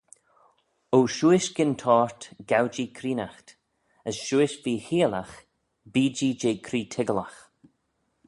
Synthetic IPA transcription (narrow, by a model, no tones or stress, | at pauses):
owʃuːɪʃɡɪntʰɔːɹt̪ɡ̥awd͡ʒiːkʰɾiːnaxt | əsʃuːɪʃviːhiːlax | biːd͡ʒiːd͡ʒeːkʰɾiːtʰɪɡəlax